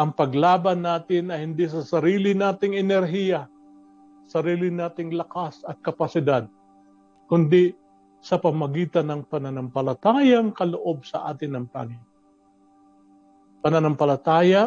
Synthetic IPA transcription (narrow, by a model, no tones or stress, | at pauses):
ʔɐŋpɐɡlaːbɐnːaːt̪ɪnɐjhɪnd̪ɪsɐsɐɾiːlɪnaːt̪ɪŋɛnɛɾɦijɐ | sɐɾiːlɪnaːt̪ɪŋlɐkasɐt̪̚kɐpɐsɪd̪ad̪̚ | kʊnd̪ɪ | sɐpɐmɐɡiːt̪ɐnːɐŋpɐnanɐmpɐlɐt̪aːjɐŋkɐloʔo̞b̚sɐ̰ʔa̰ːt̪ɪnːɐŋpa̰ŋɪn | pɐnɐnɐmpɐlɐt̪aːja